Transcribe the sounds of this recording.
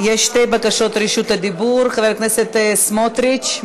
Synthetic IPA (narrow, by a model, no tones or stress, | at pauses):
jɛʃt̪ejbakaʃot̪ɾiʃut̪ad̪ibuɾχaveɾknɛset̪smot̪ɾit͡ʃ